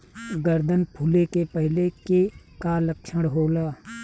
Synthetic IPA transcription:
ɡəɾd̪ʱənpʰʊlekepəɦleke | kaləkʃʰəɽɦoːlaː

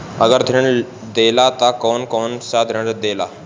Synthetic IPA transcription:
əɡəɾd̪ʱiɳ | d̪elat̪akɔnkɔnsad̪ʱəɳɾd̪ela̰

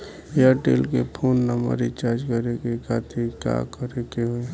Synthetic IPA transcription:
jaʈḛːlkepʰoːnːəmə̰ɾit͡ʃaːɾd͡ʒkəɾekekaːt̪ʰika̰kəɾekeɦoe

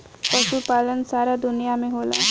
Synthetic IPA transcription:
pəʃupaːlənsaːɾad̪ʊnijameɦola̰

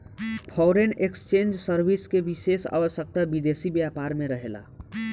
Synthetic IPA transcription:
pʰɔːɾenekst͡ʃẽːnd͡ʒsəɾbiskeʋisesa̰ːʋəsjək̚t̪abid̪eːsibjaːpaːɾmẽɾəɦela̰ː

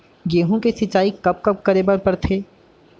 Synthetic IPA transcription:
jeːɦũkesɪt͡ʃːaːikɐp̚kɐp̚kɐɾebəɾpɐɾt̪ʰeː

